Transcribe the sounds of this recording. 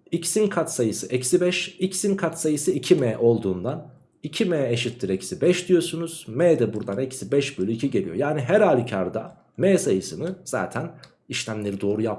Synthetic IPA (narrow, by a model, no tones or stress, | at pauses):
icsinkʰat̪sajɯsɯʔɛcsibɛʃicsinkʰat̪sajɯsɯicʰimɛːʔo̞lˠd̪uːnd̪an | icʰimejɛeʃit̪ʰːiɾɛcsibɛʃd̪ijo̞sunuz̥meːd̪ɛbuɾd̪anɛcsibɛʃbølʲyicʰiɟe̞lʲijo̞jaːniɦæɾhaːlʲicʰaɾd̪a | mesajɯsɯnɯz̥a̰ːt̪ʰæn | iʃlʲæmlʲeɾid̪o̞ːɾujap